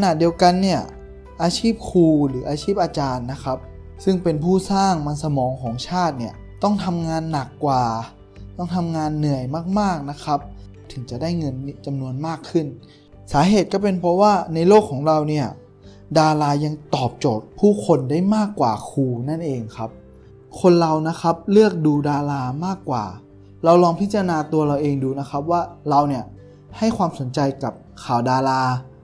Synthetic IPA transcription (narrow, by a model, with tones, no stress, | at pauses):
a˧na˨˩di˧ə˧wka˧nːi˥˩ɐ | ʔaː˧t͡ɕʰiː˥˩p̚kʰuː˧ɾɯː˩˦ʔaː˧t͡ɕʰiː˥˩p̚ʔaː˧t͡ɕaː˧nːa˦˥kʰa˦˥p̚ | sɯ˥˩ŋpe˧npʰuː˥˩saː˥˩ŋma˧nsa˧mɔː˨˦ŋkʰɔː˩˦ŋt͡ɕʰaː˥˩t̪̚ni˥˩ɐ | t̪ɔ˥˩ŋt̪ʰa˧mŋaː˧nːa˨˩kːwaː˨˩ | t̪ɔ˥˩ŋt̪ʰa˧mŋaː˧nːɯ˨˩əjmaː˥˩k̚maː˥˩k̚na˦˥kʰa˦˥p̚ | t̪ʰɯ˨˩˦ŋt͡ɕa˨˩daː˥˩jŋɤ˧nː˦˥t͡ɕa˧mnu˧ənmaː˥˩kʰːɯ˥˩n | saː˩˦ɦeː˨˩t̪̚kɔː˥˩pe˧npʰɔ˦˧˥waː˥˩na˧jloː˥˩kʰːɔː˩˦ŋɾa˧wni˥˩ɐ | daː˧laː˧ja˧ŋt̪ɔː˨˩p̚t͡ɕoː˨˩t̪̚pʰuː˥˩kʰo˧ndaː˥˩jmaː˥˩kːwa̰ː˨˩kʰuː˧na˥˩nʔeː˧ŋkʰa˦˥p̚ | kʰo˧nɾa˧wna˦˥kʰa˦˥p̚lɯ˥˩ək̚duː˧daː˧laː˧maː˥˩kːwa̰ː˨˩ | ɾa˧wlɔː˧ŋpʰi˦˥t̪t͡ɕːa˧a˧naː˧t̪u˧ɐɾa˧wʔeː˧ŋduː˧na˦˥xʰa˦˥p̚waː˥˩ɾa˧wni˥˩ɐ | ha˥˩jkʰwaː˧mso˨˩˦nt͡ɕa˧jka˨˩p̚kʰaː˨˩wdaː˧laː˧